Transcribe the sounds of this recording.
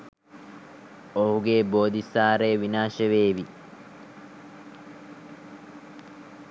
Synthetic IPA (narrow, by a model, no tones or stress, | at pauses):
oɦuɡeːboːd̪isaːɾeːʋinaːʃeʋeːʋi